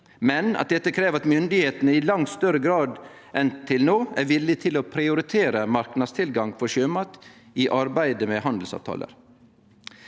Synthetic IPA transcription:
mɛnɑ̰t̪̚d̪ɛt̪ːəkʰɾeːʋɾɑt̪mʏnd̪ɪheːt̪ənəɪlɑŋt̪st̪œɾəɡɾɑːd̪ | ʔɛnt̪ʰɪlnoːæɾʋɪlːɪt̪ʰɪloːpʰɾɪʊɾɪt̪ʰeːɾəmɑɾknɑd̪st̪ʰɪlɡɑŋfɔɾʂøːmɑːt̪ | iʔɑɾbæɪd̪əmɛhɑnd̪l̩sɑ̰ʋt̪ʰɑ̰ːlə̰ɾ

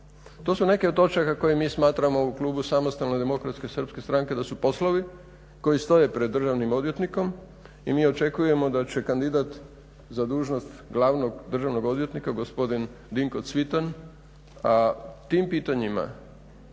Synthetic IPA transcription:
t̪o̞ːsune̞keot̪o̞t͡ʃakako̞jimiːsmaːt̪ɾamo̞uklˠuːbusamost̪alne̞d̪emo̞kɾat̪ske̞sr̩pske̞st̪ɾaŋke̞d̪asupo̞slˠoʋi | ko̞jist̪o̞je̞pɾed̪ːr̩ʒaʋnimo̞d̪ʋje̞t̪niko̞m | imiːo̞t͡ʃe̞kuje̞mo̞d̪at͡ɕe̞kand̪id̪at̪ | zad̪uːʒno̞st̪ɡlˠaʋno̞ɡd̪r̩ʒaʋno̞ɡo̞d̪ʋjet̪nikaɡospo̞d̪in | d̪iŋko̞t̪sʋit̪an | at̪iːmpiːt̪aɲima̰

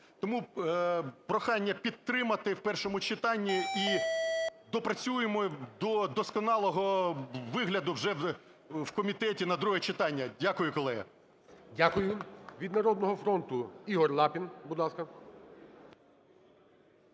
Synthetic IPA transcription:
t̪ɔmu | pɾɔxɑnʲːɐpʲid̪̚t̪ɾɪmɐt̪ɪwpɛrʃɔmʊt͡ʃɪt̪ɑnʲːii | d̪ɔpɾɐt͡sʲujemɔd̪ɔd̪ɔskɔnɑlˠɔɦɔʋɪɦlʲɐd̪ʊwʒɛ | wkɔmʲit̪ɛtʲinɐd̪ɾuɦɛt͡ʃɪt̪ɑnʲːɐdʲakʊjʊkɔlˠɛɦɐ̰ | dʲakʊjʊʋʲid̪nɐɾɔd̪nɔɦɔfɾɔnt̪ʊiɦɔrlˠɑpʲinbʊd̪lˠɑskɐ

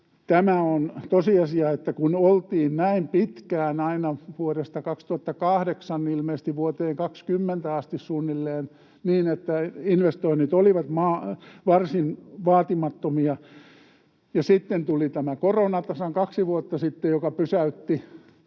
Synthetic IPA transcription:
t̪æmæont̪osiɑsiɑet̪ːækunolt̪iːnnæimpit̪kæːnɑinɑʋuoɾest̪ɑkɑkst̪uhɑt̪ːɑkɑhdeksɑnnilmeist̪iʋʋuot̪eːŋkɑkskymːent̪æɑst̪issunːilːeːn | niːnet̪ːæinʋest̪oinit̪oliʋɑt̪mɑːʋɑrsinʋɑːt̪imɑt̪ːomiɑ | jɑsit̪ːent̪ulit̪æmækoronɑt̪ɑsɑŋkɑksiʋuot̪ːɑsit̪ːejjokɑpysæyt̪ːi

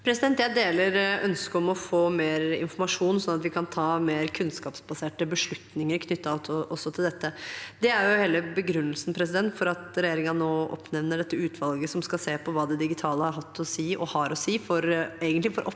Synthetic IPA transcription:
pʰɾɛsɪd̪ɛnt̪jæɪd̪eːləɾœnskəɾɔmɔfoːmeːɾɪ̰nfɔɾmɑʂuːnsɔnːɑt̪ʋɪkʰɑnt̪ʰɑːmeːɾkʰʉnskɑːpsbɑseːʈəbəʂɭʉt̪nɪŋəɾkʰnʏt̪ːɑt̪ʰɔʔɔsːɔt̪ʰɪld̪ɛt̪ːəd̪ɛæɾjʊheːləbəɡɾʉnːəlsn̩pʰɾɛs̬ɪd̪ɛnt̪fɔɾɑt̪ɾɛjeːɾɪŋɑnoːʔɔ̰pnɛʋnəɖɛt̪ːəʉːt̪ʰʋɑlɡəsɔmskɑseːpʰɔʋɑːd̪ɛd̪ɪɡɪt̪ʰɑːləhɑɾɦɑt̪ʰːɔsiːʔɔhɑɾɔsiːfɔɾeːɡənt̪lɪfɔɾʔɔp

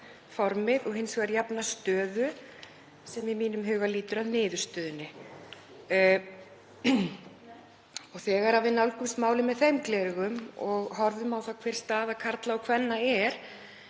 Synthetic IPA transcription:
fɔɾmɪðɔɣɦɪnsvaɾjapnast̪œːðʏ | sɛmɪmiːnʏmɦʏːɣaliːt̪ʏɾaðnɪːðʏ̥st̪œːðʏnːɪ | ɔɣθɛːɣaɾavɪðnawlkʏmsmaːwlɪmːɛðθejmklɛːɾɣʏmɔɣɦɔɾvʏmawθakʰvɛːr̥st̪aːðakʰaɾt̪laɔkʰvɛnːaɛɾ̥

